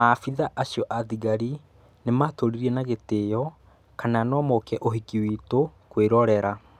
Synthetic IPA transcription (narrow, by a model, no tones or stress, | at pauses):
afiðaʔasiɔʔaðiɣaɾi | nemaːtoɾiɾiɛnaɣetejɔ | kananɔmɔkɛʔoɦikiwiːtokweɾɔɾɛɾa